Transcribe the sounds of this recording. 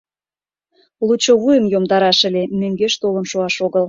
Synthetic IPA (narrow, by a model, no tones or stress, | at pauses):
lut͡ɕːoβujə̆mjomd̪ɑɾɑʃə̆lemøŋɡeʃt̪olə̆nʃoɑʃoɣəl